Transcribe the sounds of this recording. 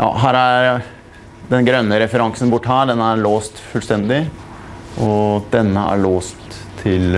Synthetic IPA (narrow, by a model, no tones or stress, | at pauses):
jʔɑ̰ːɦæːɾæɾ | d̪ɛnɡɾœnːəɾɛfəɾɑŋsənbʊʈːhæːɖɛnæɾɭoːst̪fʉːlst̪ɛnd̪ɪ | ʔɔd̪̥ɛnːəæ̰ɭoːst̪ʰː | ɪl